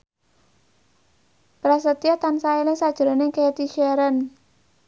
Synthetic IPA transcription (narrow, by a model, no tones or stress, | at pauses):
pɾas̬ət̪iat̪ansaelɪŋsad̥ʒ̥̤ɾaneŋkəat̪iʃɛɾən